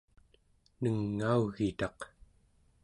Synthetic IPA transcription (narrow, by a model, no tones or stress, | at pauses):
nəŋːauɣit̪ɑq